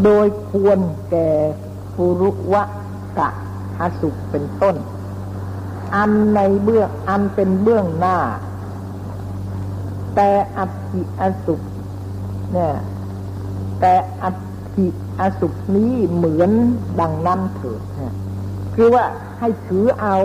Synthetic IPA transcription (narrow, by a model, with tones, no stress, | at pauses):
doː˧jkʰu˧ənkɛː˨˩ | bu˧ɾu˦˥wa˦˥ʔ | ka̰˧˩ʔ | a˧su˨˩k̚pe˧nt̪o˥˩n | ʔa˧nːa˧jbɯ˥˩əŋʔa˧npe˧nbɯ˥˩əŋnaː˧˥˩ | t̪ɛː˨˧˩ʔa˧t̪ʰi˨ʔaː˧su˨˩k̚ | na˧˩ | t̪ɛː˨˩ʔa˧ | t̪ʰi˨˩ | ʔaː˧su˨˩k̚niː˦˥˨mɯ˩˦ənda˨˧ŋna˦˥mt̪ʰɤː˨˩t̪̚na˧˩ | kʰɯː˧waː˧˥˩ | ha˥˩jk̪ʰɯː˨˦ʔa˧w